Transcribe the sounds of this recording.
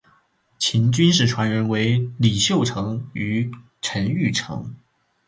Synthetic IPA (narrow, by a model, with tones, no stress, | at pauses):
t͡ɕʰi˧˥nt͡ɕy˥nʂɻ̩˥˩ʈ͡ʂʰwa˧˥nɻə˧˥nwe˧˥ɪli˨˩ɕjo˥˩ʊʈ͡ʂʰɤ˧˥ŋy˧˥ | ʈ͡ʂʰə˧˥ny˥˩ʈ͡ʂʰɤ̰˧˥ŋ